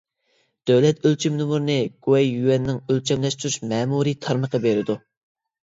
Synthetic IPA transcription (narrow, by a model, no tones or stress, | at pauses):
d̪̥øwlɛt̪ølt͡ʃʰymnumuɾnɨɡ̥uwɛjːywɛnːɪŋølt͡ʃʰɛmlɛʃt̪ʰyɾuʃmɛːmuɾit̪ʰɑɾməqɑbeɾɪd̪u